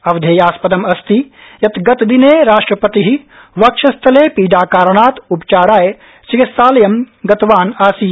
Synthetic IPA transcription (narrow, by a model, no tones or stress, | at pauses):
ɐʋd̪ʱeːjaːspɐd̪ɐmɐst̪i | jɐt̪ɡɐt̪d̪ineːɾaːʂʈɾɐpɐt̪iɦi | ʋɐkʂɐst̪ʰɐleːpiːɖaːkaːɾɐɳaːt̪upt͡ʃaːɽaːje | t͡ʃikit̪saːlɐjɐmɡɐt̪ʋaːnaːsiː